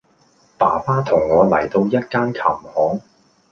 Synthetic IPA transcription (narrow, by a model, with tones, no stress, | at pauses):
paː˨˩paː˥t̪ʰʊ˨˩ŋːɔː˨˧lɐ̰˨˩jt̪o˧wjɐ˥t̚kaː˥nkʰɐ˨˩mhɔː˨˥ŋ